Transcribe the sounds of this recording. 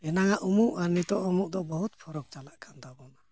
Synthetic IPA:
ɛnaŋaʔumuʔanit̪ɔʔumuʔd̪ɔʔbɔɦut̪̚pʰɔɾɔk̚t͡ʃalaʔkʰand̪abɔna

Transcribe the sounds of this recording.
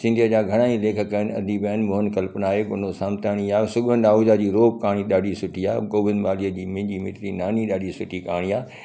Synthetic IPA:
sɪ̃nd̪ʱijəd͡ʑaːɡʱɐɽ̃aːĩleːkʰəkːəənɐd̪ʱibɛːnmʊɦənkɐlpnaːɦekʊnosaːmt̪aːɽ̃iaːsʊɠʋənd̪aːuːzad͡ʑiːɾoːp̚kaːɽ̃iɗaːɖʱisʊʈiaːkoːʋɪ̃nd̪ʋaːliəd͡ʑiːmɪ̃ɦɲd͡ʑimɪʈɾinaːniɗaːɖisʊʈikaːɽ̃iaː

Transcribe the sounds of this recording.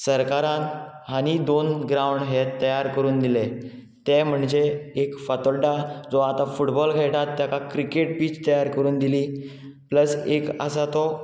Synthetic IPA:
səɾkaɾãn | ɦanid̪onɡɾãwɳɖɦet̪ːəjaɾkəɾuːnd̪ile | t̪ɛm̤əɳd͡ʑeekfət̪ɔlɖad͡zɔat̪ãfuʈbɔlkʰajʈat̪ːjakakɾikeʈpiːt͡ɕt̪əjaɾkəɾuːnd̪ili | pləsekə̰sat̪ɔ

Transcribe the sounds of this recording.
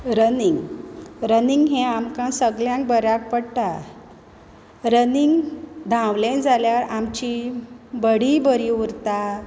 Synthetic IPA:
ɾəniŋɡɾəniŋɡɦẽamkãsəɡljãŋk̚bəɾjak̚pəɽʈ̪a | ɾəniŋɡd̪ʱãwlẽnd͡zʱaljaɾamt͡ɕibəɽibəɾiuɾt̪a

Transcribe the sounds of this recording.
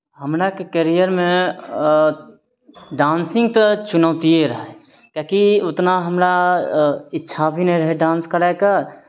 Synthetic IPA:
ɦəmɾakekəɾijəɾmẽ | ɖaːnsɪ̃ŋɡ̚t̪ɔt͡ʃʊnəʋt̪ieɾəɦɛ | kakiʊt̪naɦəmɾa | ɪtːʃʰabʱinəɾəɦeɖãːnskəɾakaɾ

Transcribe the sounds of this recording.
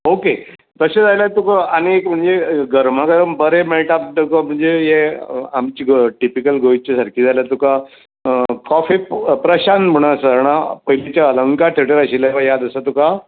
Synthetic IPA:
oke | t̪əsed͡zajlat̪ukaañiekm̤əɳd͡zeɡəɾm̤akəɾəmbəɾemeɭʈap̚d̪əkam̤əɳd͡zejeamt͡ɕiːɡʈipikəlɡoit͡ɕisəɾkiːd͡zajlat̪uka | kɔfipɾəɕanməɽ̃asəɾɳ̃apəilet͡ɕjaələŋkaʈ̪ʰeʈəɾəɕileʋajad̪əsət̪uka

